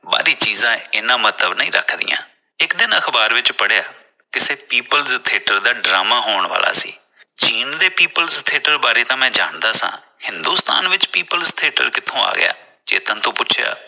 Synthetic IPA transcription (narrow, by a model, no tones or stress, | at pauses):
ba̰ːɾiːt͡ʃiːzãːɪnãːmət̪əbnəĩːɾə̰kʰd̪ɪ̰jã̰ː | ɪkd̪ɪnəkʰbaːɾʋɪt͡ʃpəɽejaː | kɪseːpiːpəlzt̪ʰeːʈəɾd̪aːɖɾa̰ːmaːɦoːəɳʋa̰ːla̰ːsḭː | t͡ʃiːnd̪eːpiːpəlzt̪ʰeːʈəɾbaːɾeːt̪ãːmɛ̃ːd͡ʒaːɳd̪aːsã̰ː | hɪnd̪uːst̪a̰ːnʋɪt͡ʃpiːpəlst̪ʰeːʈə̰ɾkɪt̪ʰːõːa̰ːɡɪ̰ja̰ː | d͡ʒḛːt̪ə̃ːt̪õːpʊt͡ʃʰja̰ː